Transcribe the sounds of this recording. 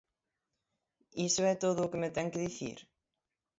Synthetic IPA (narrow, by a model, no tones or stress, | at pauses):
isvɛt̪oðowkʏmɛt̪ɛŋkɪðiθḭːɾ̥